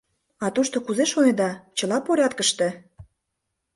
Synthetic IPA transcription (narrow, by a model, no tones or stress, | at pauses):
ɑt̪uʃt̪okuzeʃonʲĕd̪ɑt͡ɕɤ̆lɑpoɾʲɑt̪kəʃt̪ĕ